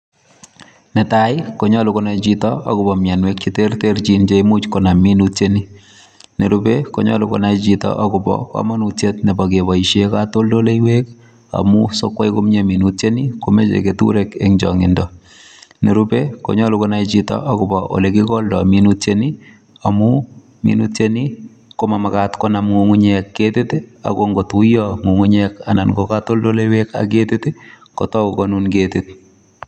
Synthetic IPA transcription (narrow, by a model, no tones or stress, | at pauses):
netajkoɲɔlukɔnat͡ʃitɔɔ̰kʊbɔmjanwek̚t͡ʃitertert͡ʃint͡ʃeimut͡ʃkonaminutjeni | neɾupeko̰ɲɔlʊkɔ̰nait͡ʃitɔ̰ʔɔkʊpɔ̰kɔ̰manutjetnebɔkebɔiʃekatoldoleiwek | a̰musokwaikomɲeminutt͡ʃenikomet͡ʃḛketṵɾekḛŋd͡ʒɔ̰ŋɪndɔ | niɾupeko̰ɲɔlukonait͡ʃitɔ̰ʔakʊbɔʔo̰lekikɔldɔ̰minutt͡ʃeni | amu | mḭnṵtt͡ʃeni | komamakatkɔnamŋuŋuɲɛkːeteta̰koŋɡotujɔŋuŋuɲɛkananɡokatoldolejweka̰k̬etɪtɪ | kɔ̰tɔukɔnunketɪt̚